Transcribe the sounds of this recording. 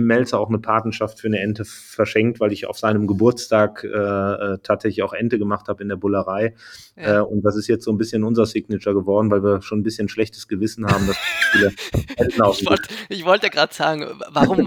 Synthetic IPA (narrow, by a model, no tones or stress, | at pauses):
mːɛlt͡sɐaʊxnəpʰaɐtnɐʃaftfyːɐnəʔɛntəfɛɐʃɛŋk̚tv̥aɪlɪça̰ʊfz̥aɪnəmɡəbʊɐt͡stʰaːkʔɛːʔɛːtʰaːtz̥ɛçlɪçaʊxʔɛntəɡəmaχthaːbəɪndeːɐbʊləʁaɪ | ʔɛːʊnt̚d̥as̬ɪstjɛt͡stz̥oːnbɪsçənʊnzɐsɪɡnɪt͡ʃɐɡəvɔɐdn̩vaɪlviːɐʃoːnnbɪsçənʃlɛçtə̥sɡ̥əvɪsn̩haːbm̩dasfiːləɛtnlaʊfn̩ɔlʔɪçv̥ɔltaɡʁaːtəz̥aːɡŋ̩vaʁʊm